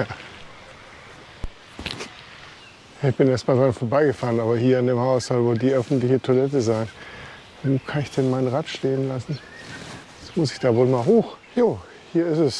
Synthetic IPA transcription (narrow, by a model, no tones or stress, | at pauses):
jaː | ɪçb̥ɪnʔeːɐstmaːldʁanfoːɐbaɪɡəfaːʁənaːbɐhiːɐɪndeːmhaʊsz̥ɔlvoːldiːʔœfn̩tlɪçətʰoɐlɛtəzaɪn | oːkʰanɪçd̥ɛnmaɪnənʁaːtʃteːənlasn̩ | smʊsɪ̥çd̥aːvoːlmaːlɦoːxjoː | hiːɐɪsɛs